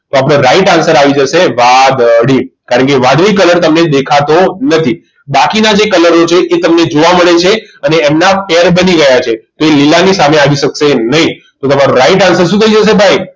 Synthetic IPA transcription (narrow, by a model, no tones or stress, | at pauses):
t̪oapɽ̃ẽɾaiʈansəɾaʋid͡ʒəʃeʋad̪əɽikaɾəɳkeʋad̪ɾikələɾt̪əmned̪ekʰat̪onət̪ʰi | bakinad͡ʒekələɾot͡ʃʰeʔet̪əmned͡ʒoʋaməɭet͡ʃʰeəneːmnafeɾbəniɡəjat͡ʃʰet̪oelilanisameaʋiʃəkʃenəɦĩ | t̪ot̪əmaɾõɾaiʈansəɾʃũt̪ʰəĩd͡ʒəʃ̬ebʱaj